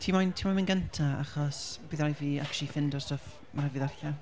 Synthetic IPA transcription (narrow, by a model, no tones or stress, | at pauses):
tʰimɔjntʰiːmɔmənɡəntʰaa̰χɔsb̥iːðajviːakʰt͡ʃˠifɪndɔstɔf | marhɛvɨðarɬa